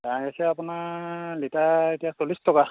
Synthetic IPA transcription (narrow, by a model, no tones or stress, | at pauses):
dãasɛapʊnalitaetijasolistɔka